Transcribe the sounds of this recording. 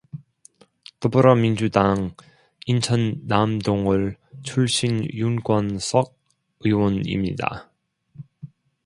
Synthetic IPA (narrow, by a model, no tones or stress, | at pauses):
tobuɾʌmind͡ʑudaŋ | int͡ɕʰʌnːamdoŋɯɭt͡ɕʰuɭɕ͈ʰinjunkwʌnsʰʌɡ̚ | ɯwʌnḭmɲḭda̰